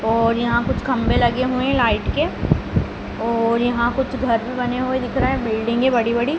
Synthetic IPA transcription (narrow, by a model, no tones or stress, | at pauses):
ɔːɾjɐɦãkʊt͡ʃʰkɐ̃mbelɐɡeɦuẽlaːɪʈke | ɔːɾjɐɦãkʊt͡ʃʰɡʱɐɾbʱibɐneɦued̪ɪkʰɾaɦɛ̃bɪlɖẽːŋɡebɐɽibɐɽi